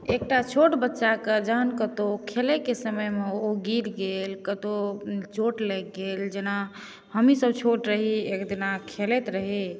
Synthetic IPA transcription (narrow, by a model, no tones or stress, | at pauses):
ek̚ʈat͡ʃʰoʈbətːʃaked͡ʒəɦənkət̪okʰelekesəməjmeoɡiɾɡelkət̪ot͡ʃoʈlɛɡeld͡ʒena | həmisəb̚t͡ʃʰoʈɾəɦiekd̪inakʰelet̪ɾəɦi